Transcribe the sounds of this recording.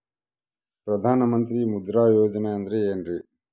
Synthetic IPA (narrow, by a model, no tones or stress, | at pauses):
pɾɐd̪ʱaːnɐmɐnt̪ɾimud̪ɾaːjoːd͡ʒɐneɐnd̪ɐɾeeːnɾi